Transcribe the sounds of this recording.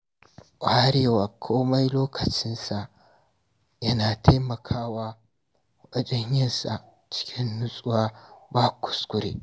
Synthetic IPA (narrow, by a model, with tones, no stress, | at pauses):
ʔʷʼa˨ha˦ɽeː˦waː˨kʷʰoː˦ma˦jloː˦kʰɐ˨t͡ʃɪ˦nsa˨ʔ | jɐ˦naː˨tʰa˦mɐ˨kʰaː˦waː˦ | ʊ˦ʔa˦t͡ʃʼɪ˦ɲjɐ˦nsa̰˨ʔ | t͡ʃɪ̥˦kʲʰɪ˦nːʊ˦sʼʊ˦waː˦baː˦kʷʊ̥˨skʷʊ˦ɾḛː˦